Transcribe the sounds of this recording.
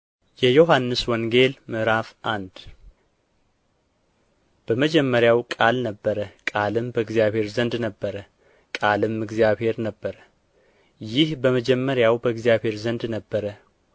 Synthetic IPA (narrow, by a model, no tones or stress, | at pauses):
jɛjoɦanːɨswɔŋɡe̞lmɨɾafʔand̪ | b̥əməd͡ʒɛmːəɾjawkʼalnəbːəɾəkʼalɨmbəɨɡzijaβhe̞ɾzənd̪nəbːəɾə | kʼalɨmɨɡzijaβhe̞ɾnəbːəɾə | jɪhbəməd͡ʒɛmːəɾjawbəɨɡzijaβhe̞ɾzənd̪nəbːəɾə